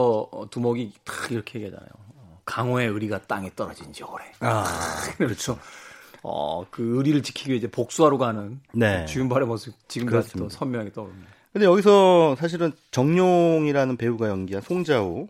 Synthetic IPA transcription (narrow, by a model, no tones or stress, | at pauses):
ʌʌ̰tumʌɡitɯ̥iɾʌkʰeɦeɡieɦad͡ʑa̰na̰jo̰kaŋɦoe̞ɯɾiɡat͈a̰ŋet͈ʌɾʌd͡ʑind͡ʑioɾeaɯɾʌt͡ɕʰo | ʌ̰kɯɯɾiɾɯɭt͡ɕi̥kʰiɡieid͡ʑe̞pok̚s͈uaɾoɡɦanɯnne̞t͡ɕiɡɯmbaɾemʌsʰɯt͡ɕiɡɯmkɯsimt͈osʰʌmjʌŋɦaɡet͈ʌɯmdkɯnd̪e̞jʌɡisʰʌsʰaɕ̬ʰiɾɯn | t͡ɕʌŋɲoŋiɾanɯnpe̞uɡajʌŋɡiɦansʰoŋd͡ʑao